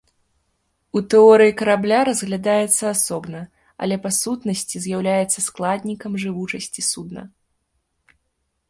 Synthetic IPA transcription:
ut̪ɛɔɾɨjikɐɾablʲaɾɐzɣlʲad̪ajɛt̪sːɐːsɔbnɐ | ɐ̰lʲɛpasut̪nɐsʲt͡sʲizʲjawlʲajɛt̪sːɐsklˠad̪ʲnʲikɐmʐɨvut͡ʂɐsʲt͡sʲisud̪nɐ̰

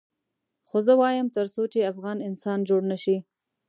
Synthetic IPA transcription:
xozəwɑjəmt̪əɾsot͡ʃeafɣɑnɪnsɑnd͡ʒoɽnaʃi

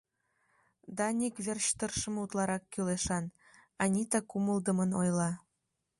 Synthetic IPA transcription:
d̪ɑnʲikβerɕt̪ərʃə̆mut̪lɑɾɑkːyleʃɑn | ɑnʲit̪ɑkuməld̪ə̆mənojlɑ

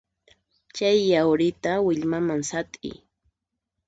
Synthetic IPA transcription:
t͡ʃajːawɾɪt̪awɪʎmamaŋsat̪ʼɪ̰

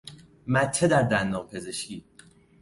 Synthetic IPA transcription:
mæt̪ʰːed̪æɾd̪ænːɒːɣpʰe̞ze̞ʃciː

